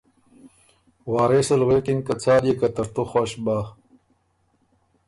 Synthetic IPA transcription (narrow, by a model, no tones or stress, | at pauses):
waːɾesɐlweːkiŋkat͡sʰaːljekɐt̪ɐɾt̪oxwaɕbaː